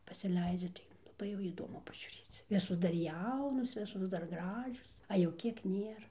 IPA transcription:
pɐsʲɪˈlʲɛɪd͡ʒʲɛ tɐɪ lˠɐˈbɐɪ jɛʊ iːˈdoːmʊ pɐʒʲuːˈrʲeːt͡s ˈʋʲɪsoːs dɐr ˈjɛʊnoːs ˈʋʲɪsoːs dɐr ˈɡrɑːʒʲoːs ɐ jɛʊ ˈkʲiɛk ˈnʲeːrɐ

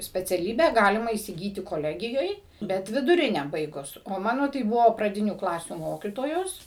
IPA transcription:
sʲpʲɛt͡sʲɛˈlʲiːbʲæː ˈɡɑːlʲɪmɐ iːsʲɪˈɡʲiːtʲɪ koːˈlʲæːɡʲɪjoːj ˈbʲɛt ʋʲɪdʊˈrʲɪnʲæː ˈbɐɪɡʊs oː ˈmɑːnoː tɐɪ ˈbʊʋoː prɐˈdʲɪnʲuː ˈklˠɑːsʲuː ˈmoːkʲiːtoːjoːs

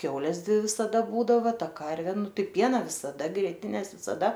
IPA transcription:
ˈkʲɛʊlʲɛs ˈdʲʋʲɪ ʋʲɪsɐˈdɐ ˈbuːdɐʋɐ ˈtɐ ˈkɐrʲʋʲeː ˈnʊ ˈtɐɪ ˈpʲiɛnɐ ʋʲɪsɐˈdɐ ɡrʲiɛˈtʲɪnʲɛs ʋʲɪsɐˈdɐ

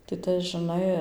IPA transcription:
tɐɪ ˈtɐs ʒʲɪˈnɐɪ

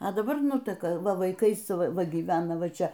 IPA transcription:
ɐ dɐˈbɐr ˈnʊtʲɛkɐ ˈʋɐ ʋɐɪˈkɐɪs ˈʋɐ ɡʲiːˈʋʲæːnɐ ˈʋɐ ˈt͡ʃʲɛ

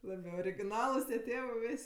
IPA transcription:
ˈlˠɑːbʲɪ oːrʲɪɡʲɪˈnɑːlˠʊs tʲiɛˈtʲeːʋɜ ˈʋʲɪsʲ

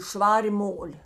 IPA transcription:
ˈʃʋɑːrʲeː ˈmoːlʲeː

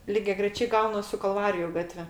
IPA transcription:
lʲɪɡʲɛɡrʲɛˈt͡ʃʲɛɪ ˈɡɐʊnɐs sʊ kɐlˠˈʋɑːrʲɪjʊ ˈɡɑːtʲʋʲɛ

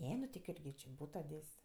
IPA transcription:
ˈnʲɛ nʊ tʲɪ ˈkʊrʲɡʲɪ t͡ʃʲɪ ˈbuːtoː ˈdʲeːsʲ

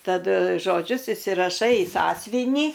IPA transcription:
tɐˈdʊ ʒoːˈd͡ʒʲʊs ɪsʲɪrɐˈʃɐɪ ɪ ˈsɑːsʲʋʲɪnʲiː

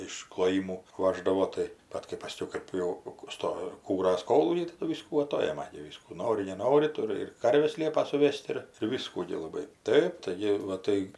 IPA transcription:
ɪʃ klˠoːˈjɪmuː ˈʋɑːʒdɐʋoː tɐɪ ˈbɐt kɐɪ pɐˈsʲkʲɛʊ ˈkɜp jɛʊ ˈstoː ˈkuːrɐs ˈkoːlˠuːkʲɛɪ tɐˈdʊ ˈʋʲiːskuː ɐˈtoːjɛmɐ ɡʲɪ ˈʋʲiːskuː ˈnoːrʲɪ nʲɛˈnoːrʲɪ ˈtʊrʲɪ ɪr ˈkɐrʲʋʲɛs ˈlʲiɛpɐ sʊˈʋʲɛsʲtʲ ɪr ɪr ˈʋʲɪskuː ɡʲɪ lˠɐˈbɐɪ ˈtɐɪp tɐɪˈɡʲɪ ʋɐ ˈtɐɪ

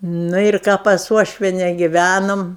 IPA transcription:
nʊ ɪr ˈkɑː pɐs ˈuɔʃʲʋʲiɛnʲɛ ɡʲɪˈʋʲænoːm

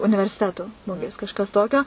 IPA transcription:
ʊnʲɪʋʲɛrʲsʲɪˈtʲæːtʊ ˈmʊɡʲeːs kɐʃˈkɐs ˈtoːkʲoː

